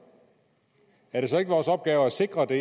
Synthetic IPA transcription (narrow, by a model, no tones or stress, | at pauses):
æɐɾe̝s̬ɒ̽e̝ɡ̥əʋɒːsɒ̽b̥̚ɡ̥ɛːʊæse̝ɡ̥ʁɐd̥e̝